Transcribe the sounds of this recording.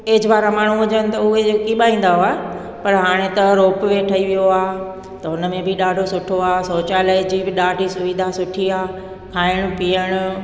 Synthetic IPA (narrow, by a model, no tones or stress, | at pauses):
eːɪd͡ʑʋaːɾamaːɳ̤ũɦʊd͡ʑənɪ̆t̪ɐʊɦeokiɓaːĩːn̆d̪aɦoaːɦe | pɐɾɦaːɽ̃ẽt̪ɐɾoːpʋeʈʰɐiʋijoaː | t̪ɐʊnəmẽbʱɪɗaːɖʱosʊʈʰoaːsoːt͡ɕaːlad͡ʑibɪɗaːɖʱisʊʋɪd̪ʱasʊʈʰiaː | kʰaːɪɽ̃ʊ̆pijəɽ̃ʊ̆